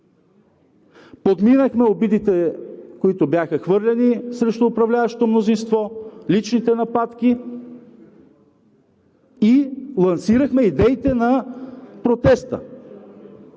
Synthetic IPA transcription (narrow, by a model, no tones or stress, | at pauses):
pod̪minəxmɛobid̪it̪ɛkoit̪objaxəxvɤɾlʲɛnisɾɛʃt̪ʊːpɾɐvlʲavɐʃt̪t̪omnozinst̪vɔlit͡ʃnit̪ɛnɐpat̪ki | ilˠɐnsiɾəxmɛid̪ɛit̪ɛnɐpɾot̪ɛst̪ə̰